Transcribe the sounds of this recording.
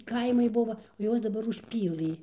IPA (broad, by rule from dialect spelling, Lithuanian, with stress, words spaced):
ˈkɐɪmɐɪ ˈbʊʋɐ oː ˈjuɔs dɐˈbɐr ʊʃʲˈpʲiːlˠɨ